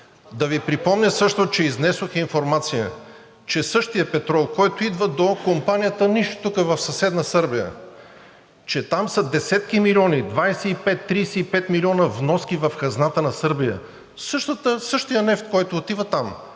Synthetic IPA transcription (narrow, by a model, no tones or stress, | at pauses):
d̪ɐvipɾipɔmnʲəsɤʃt̪ot͡ʃɛiznɛsoxinfoɾmat̪sijə | t͡ʃɛsɤʃt̪ijəpɛt̪ɾɔlˠkɔjt̪oid̪vəd̪okompanijət̪əniʃt̪o̥t̪ukəvɐfsɐsɛd̪nəsɤɾbijə̰ | t͡ʃɛt̪amsɐd̪ɛsɛt̪k̟imilʲiɔnid̪vajsɛipɛt̪ːɾiːsɛipɛt̪milʲiɔnəvnɔsk̟ivɐfkɐznat̪ənɐsɤɾbijə̰ | sɤʃt̪ət̪əsɤʃt̪ijənɛft̪kɔjt̪oːt̪ivət̪am